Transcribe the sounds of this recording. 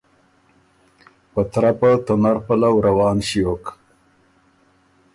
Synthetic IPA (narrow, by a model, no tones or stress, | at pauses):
pət̪ɾapat̪onaɾpəlawɾawɑːnɕiok